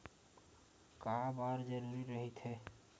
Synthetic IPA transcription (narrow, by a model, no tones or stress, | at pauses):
kaɦbaɾd͡ʒəɾuɾiɾɔɦit̪ʰe